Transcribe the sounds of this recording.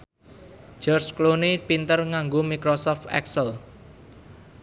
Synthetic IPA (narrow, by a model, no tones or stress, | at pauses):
d͡ʒ̥ɔrsklonipint̪ərŋaŋɡomikɾosɔft̪ɛ̰ksəl